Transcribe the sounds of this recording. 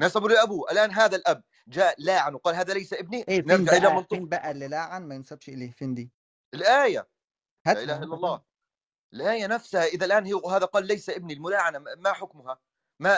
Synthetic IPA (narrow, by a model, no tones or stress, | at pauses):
nasambuːlɪlʔabuːʔælʔaːnɦaːðælʔæb̚ | d͡ʒaːlaːʕanwqɑːlɦaːðælajsaʔɪbniʔeːneɾd͡ʒaʕʔɪlamɑlt̪ˤiːnbæʔælːilaːʕanmæjɪnsabʃʔɪleːfiːnd̪iː | ʔɪlʔaːja | haːʔʔɪlaːhaʔɪlːɑlˤːɑː | ʔɪlʔaːjanafsahaʔɪðalʔaːnhɪɦaːðæqɑːlːajsaʔɪb̚nilmʊlaːʕanamaħʊkmʊɦa | ma